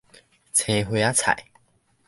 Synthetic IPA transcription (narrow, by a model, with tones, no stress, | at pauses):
t͡sʰẽ˧ɦwe˧a˦t͡sʰa̰˨˩˦j